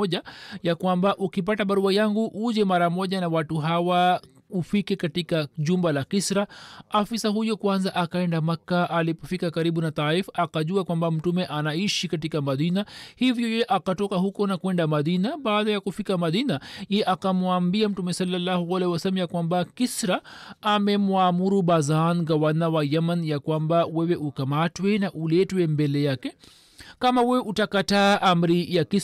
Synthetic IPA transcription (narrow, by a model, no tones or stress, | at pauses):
ʄajakwambaʔukip̬ataɓaɾuajaŋɡuʔuʄɛmaɾamɔʄanawatuɦawa | ufikɛkatikaʄumbalakisɾaafisahujɔkwanzaʔakaɛndamakːaʔːlipɔfikakaɾiɓunat̪aifakaʄuakwambam̩tumɛʔanaiʃikatikamaðinahivjɔjɛʔakatɔkahukɔnakuɛndamaðinaɓaːðajakufikamaðinajɛjɛʔakamwambiam̩tumɛsalːalːahualɛhiwasalmjakwambakisɾaːmɛmwamuɾuɓazanɡawanawajɛmanjakwambawɛwɛʔukamatwɛnaʔulɛtwɛmbɛlɛjakɛ | kamawɛwɛʔutakataːʔam̩ɾijaki